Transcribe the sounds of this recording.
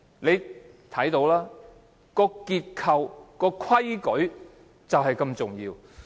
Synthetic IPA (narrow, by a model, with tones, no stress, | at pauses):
ne˨˧j | t̪ʰɐ˨˥jt̪o˨˧˥wlaː˥ | kɔː˧kiː˧t̚kʰɐ˨wkɔː˧kʰwɐ˥jkɵ˨˥ɥ | t͡sɐ˨wɦɐ˨˩jkɐ˧mt͡sʊ˨˩ŋjiː˧w